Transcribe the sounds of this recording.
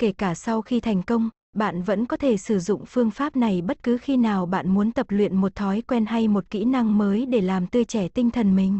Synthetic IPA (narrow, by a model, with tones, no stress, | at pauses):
ke˧˩kaː˧˩sa˧wxi˧t̪ʰa˨˩jŋ̟kə˧wŋ͡m | ɓa̰ː˧˨nvə̰˧˥nkɔ˨˦t̪ʰe˧˩sɨ˧˩zʊ̰˧˨ŋ͡mfɨ˧əŋfaː˦˥p̚na˨˩jɓə˦˥t̚kɨ˨˦xi˧naː˨˩wɓa̰ː˧˨nmu˨˦ənt̪ə˨˩p̚lwḭ˧˨ənmo˨˩t̚t̪ʰɔ˨˦jkwɛ˧nɦa˧jmo˨˩t̚kḭ˧˥na˧ŋməː˨˦jɗe˧˩laː˨˩mt̪ɨ˧ət͡ɕɛ˧˩t̪ï˧ŋ̟t̪ʰə˨˩nmï˨˩ŋ̟